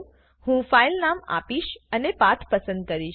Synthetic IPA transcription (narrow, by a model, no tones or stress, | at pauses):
hũfailnama̰piʃənepat̪ʰpəsə̃nd̪̚kəɾiʃ